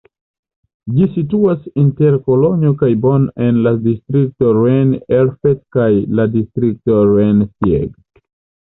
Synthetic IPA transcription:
d͡ʒisituasinte̞ɾko̞loɲiokajbo̞nʔenladistɾik̚toɾeneɾfetkajladistɾik̚toɾensjḛɡ

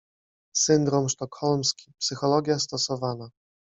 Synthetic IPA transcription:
sɘnd̪ɾɔmʂt̪ɔkxɔlmskʲi̥psɘxɔlɔɡʲjast̪ɔsɔvana

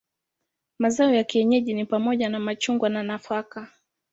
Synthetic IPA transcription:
mazaɔjakiɛɲɛʄinipamɔʄanamat͡ʃuŋɡwananafaka

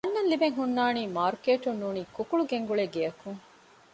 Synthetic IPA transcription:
ɐnːɐnlibeŋɦunːaːniːmaːɾkeːʈunːuːniːkukuɭuɡeŋɡuɭeɡeɐkuŋ

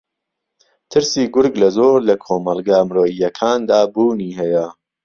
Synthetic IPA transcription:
t̪ʰɨɾsiːɡʊɾɡlɐzoːɾlɐkʰoːmɐlˠɡaːmɾoːijɐkʰaːnd̪aːbuːniːɦɛjɐ

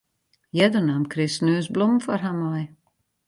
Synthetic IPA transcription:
jɛdənamkʰrɪsnøːsblomfɔrɦamɔj

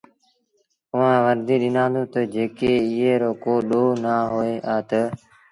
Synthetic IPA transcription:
ʊʋãːʋəɾd̪iːɗɪnãːnd̪ũːt̪əd͡ʒeːkeːɪɦeːɾoːkoːɗoːnaːɦoːeːʔaːt̪ə

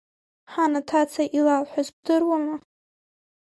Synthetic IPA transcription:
ħanatʰat͡sʰaʔilalħʷᶣazb̚dɨrwama

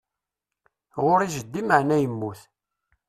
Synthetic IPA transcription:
ʁʊɾiʒəd̪ːiməʕnæjəmːuθ

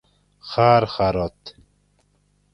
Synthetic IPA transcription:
χaːɾχaɾɔt̪

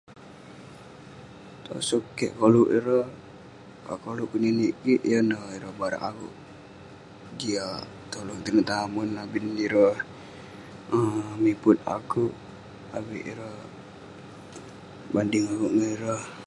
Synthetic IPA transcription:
t̪o̰sokːɛ̰ʔkoluʔiɾə | kakoluʔkuniniʔkiʔjənəiɾəbaɾa̰ʔakṵʔ | ɡia | t̪oluŋt̪inət̪amunːabiniɾəh | əmipʊt̪̚a̰kuʔ | awiʔiɾəh | bandɪŋakuʔnəiɾəh

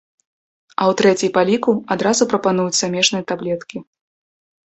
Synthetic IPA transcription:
ɐwt̪ɾɛt͡sʲijpalʲikuad̪ɾazupɾɐpanujut͡sʲsamʲɛʂnɨjɐt̪ablʲɛt̪kʲi

